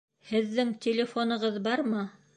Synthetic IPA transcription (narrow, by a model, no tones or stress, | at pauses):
hɘ̆ðːɘŋtʲɪlʲɪfonɤ̆ʁɤðbɑɾmɤ